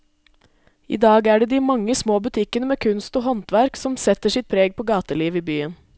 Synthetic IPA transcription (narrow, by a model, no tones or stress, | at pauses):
ḭːd̪ɑːɡæːɖeːd̪iːmɑŋːəsmoːbʉt̪ʰɪkənəmeːkʰʉnst̪oːhɔnt̪ʋæɾksɔmsɛt̪əʂɪt̪̚pʰɾeːɡ̚pʰoːɡɑːt̪əliːʋiːbyːən